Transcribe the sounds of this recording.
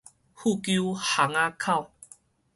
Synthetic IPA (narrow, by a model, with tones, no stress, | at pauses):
hu˥˧˨kju˦ha˨˦ŋa˧kʰa˥˧˨w